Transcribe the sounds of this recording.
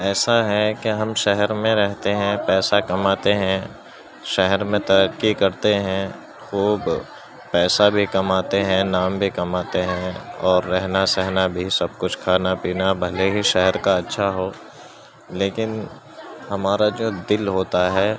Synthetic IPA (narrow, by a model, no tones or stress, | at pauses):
ɛːsaɦɛkeɦɐmʃɛɦɛɾmẽɾɛɦt̪eɦɛ̃pɛːsakɐmaːt̪eɦɛ̃ | ʃɛɦɛɾmẽt̪ɐɾəkːikɐɾt̪eɦɛ̃ | xuːb | pɛːsabʱikɐmaːt̪eɦɛ̃naːmbʱikɐmaːt̪eɦɛ̃ɔːɾːɛɦnasɛɦnabʱisɐb̚kʊt͡ʃʰkʰaːnapiːnabʱɐleɦiʃɛɦɛɾkaɐtːʃʰaɦoː | leːkɪn | hɐmaːɾad͡ʒoːd̪ɪlɦoːt̪aɦɛː